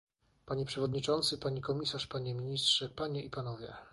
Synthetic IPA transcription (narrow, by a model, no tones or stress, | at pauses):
paɲɛpʂɛvɔd̪ɲit͡ʂɔnt̪sɘpaɲikɔmʲisaʂpaɲɛmʲiɲist̪ʂɛpaɲɛipanɔvʲjɛ̰